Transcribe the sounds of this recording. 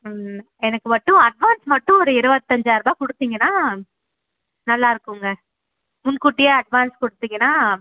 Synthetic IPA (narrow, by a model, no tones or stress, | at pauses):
ɛnɐkːɯʋɐʈːʊ̃ɐɖʋaːnsmɐʈːʊ̃ɔɾɯɪɾɯbɐt̪ːɐɲd͡ʒaːɪɾɯbaːkɔɽɯt̪ːiːŋɡɐnːaː | nɐlːaːɪɾɯkːɯŋɡɐ | mʊnkʊʈːɪjɐɐɖʋaːnskɔɽɯt̪ːiːŋɡɐnaː